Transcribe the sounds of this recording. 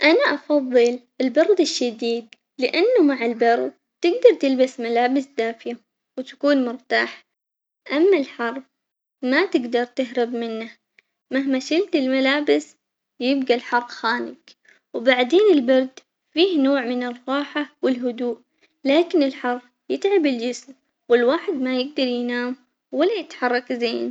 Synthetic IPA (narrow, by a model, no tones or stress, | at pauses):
ʔanaʔɑfɑðˤːɨlʔɪlbɑɾˤd̪ɪʃːad̪iːd̪ | lɪʔanːamaʕɪlbɑɾˤd̪̚ | t̪ɪɡd̪ɑɾˤt̪ɪlbasmalaːbɪsd̪aːfɪja | wt̪ḁkuːnmʊɾt̪aːħ | ʔamːalħɑɾˤb | mat̪ɪɡd̪ɑɾˤt̪ɪɦɾɪbmɪnːa | maɦmaʃɪlt̪ɪlmalaːbɪs | jɪbɡalħɑɾˤqxaːnɪk | wbaʕd̪eːnɪlbɑɾˤd̪ | fiːhnoːʕmɪnɪrˤːɑːħawɪlɦʊd̪uːʔ | laːkɪnɪlħɑɾˤ | jɪt̪ʕabɪld͡ʒɪsm | wɪlwaːħɪd̪majɪɡ̚d̪ɑɾˤjnaːm | walːajɪt̪ħɑrˤːɑkzeːn